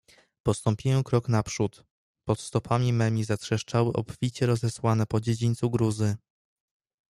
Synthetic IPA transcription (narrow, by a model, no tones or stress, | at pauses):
pɔst̪ɔmpʲijɛ̃kɾɔknapʂut̪ | pɔt̪st̪ɔpʰamʲimɛmʲizatʂɛʂt͡ʂawɘʔɔ̰pfʲit͡ɕɛɾɔzɛswanɛpɔd͡ʑed͡ʑiɲʲt̪suɡɾuzɘ